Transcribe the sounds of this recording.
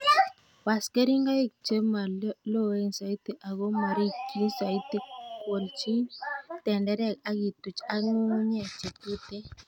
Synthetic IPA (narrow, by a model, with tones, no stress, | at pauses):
wa˨ske˦ɾi˦ŋɡa˦i˦˨k̚t͡ʃe˦ma˨lo˦˨we˦˨n˨sa˨i˦t̪e˨ʔa˨ɡo˦ma˨ɾi˦ki˦sa˨i˦t̪e˦ko˨lt͡ʃi˦tɛ˨ndɛ˦ɾɛ˦˨ka˦ɡi˨tu˨t͡ʃa˦ŋu˦ŋ˦ɲɛ˨t͡ʃe˨tu˦tɛ˦